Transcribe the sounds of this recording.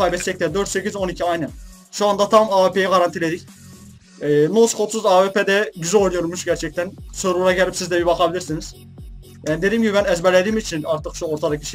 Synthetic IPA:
ajbɛt̪sɛct̪ʲɛd̪ø̞ɾt̪se̞cizo̞nicʰiajnɯn | ʃuand̪at̪ʰamaːvepʰe̞jɛɡaɾant̪ʰilʲe̞d̪ic | ɛːnoskʰot̪suzaːvepʰed̪ɛɟyzojnujoɾmuʃɟæɾt͡ʃʰɛc̚t̪ʰænsøɾuɾaɟɛlʲipsizd̪ɛbibakʰabilʲiɾsiniz̥ | jaːnid̪eiːmɟibibænɛzbɛɾlʲed̪iːmit͡ʃʰinaɾt̪ʰɯkʃuoɾt̪ʰad̪acʰi̥ʃ

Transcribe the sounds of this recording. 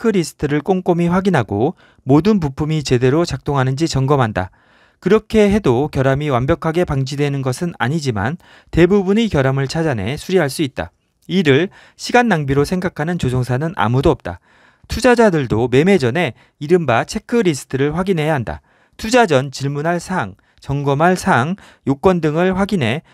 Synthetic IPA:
ekʰɯɾisʰɯ̥tʰɯɾɯɭk͈oŋk͈omiɸwaɡinɦaɡo | modɯnp̬upʰumit͡ɕe̞de̞ɾot͡ɕak̚t͈oŋɦanɯnd͡ʑit͡ɕʌŋɡʌmɦanda̰ | kɯɾʌkʰe̞ɦe̞dokjʌɾamiwambjʌkʰaɡe̞paŋd͡ʑidwe̞nɯnɡʌsʰɯna̰ɲid͡ʑima̰n | te̞bubunikjʌɾamɯɭt͡ɕʰad͡ʑanɦe̞sʰuɾiɦaɭs͈uit̚t͈a̰ | iɾɯɭ | ɕʰiɡanːaŋbiɾosʰe̞ŋɡakʰanɯnt͡ɕod͡ʑoŋsʰanɯnʔa̰mudoʌp̚t͈a̰ | tʰud͡ʑad͡ʑadɯɭdome̞me̞d͡ʑʌne̞ | iɾɯmbat͡ɕʰe̞kʰɯɾisʰɯ̥tʰɯɾɯɭɸwaɡinɦe̞jaɦanda̰ | tʰud͡ʑad͡ʑʌnt͡ɕiɭmunɦaɭsʰaŋ | t͡ɕʌŋɡʌmɦaɭsʰaŋ | jok͈wʌndɯŋɯɭɸwaɡinɦe̞

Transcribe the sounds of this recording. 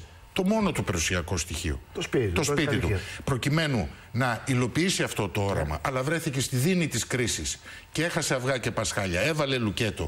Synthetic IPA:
t̪o̞mo̞no̞t̪upeɾusiɐko̞st̪içḭo̰st̪o̞spiit̪upɾo̞cime̞nu | nɐilo̞piisiɐft̪o̞t̪oo̞ɾɐ̰mɐ̰ʔɐlɐvɾe̞θice̞st̪iðinit̪iskɾisis | cee̞xɐse̞ɐvɣɐce̞pɐsxɐʎɐe̞vɐle̞luce̞t̪o̞̰

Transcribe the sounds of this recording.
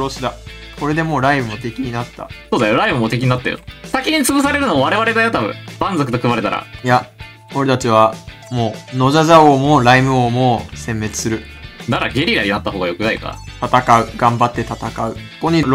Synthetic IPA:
ɾo̞ɕid̪a | ko̞ɾe̞d̪e̞mo̞ːɾaimɯ̟mo̞t̪e̞kʲiɲ̟inat̪ːa̰soːd̪ajo̞ɾaimɯ̟mo̞t̪ekʲiɲ̟inat̪ːajo̰sakʲiɲ̟ːit͡sɨɡos̬aɾe̞ɾɯ̟noβaɾe̞βaɾe̞ɡ̪ajot̪abɯ̰̃bãnd͡zokɯ̟t̪o̞kɯ̟baɾe̞t̪a̰ɾa̰ja | o̞ɾe̞t̪at͡ɕiβa | mo̞ːno̞ʑazaomoːɾaimɯ̟omoːsẽ̞mːe̞t͡sɨ̥sɨɾɯ̟ | naɾaɡʲe̞ɾʲiɾaɲ̟inat̪ːaɦo̞ːɡajo̞kɯ̟naika̰t̪at̪akaɯ̟ɡ̥ãmbat̪ːe̞t̪at̪akaɯ̟koɲ̟i

